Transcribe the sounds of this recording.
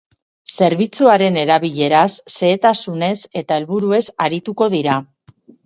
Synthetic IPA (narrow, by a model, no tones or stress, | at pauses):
se̞ɾβit͡suaɾe̞ne̞ɾaβiʎe̞ɾasːe̞ːt̪asune̞se̞t̪ae̞lβuɾue̞saɾit̪uko̞ðiɾa